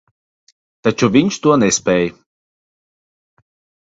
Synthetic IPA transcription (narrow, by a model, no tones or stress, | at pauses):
t̪at͡ʃuvʲiɲʃt̪uɔnɛspɛːj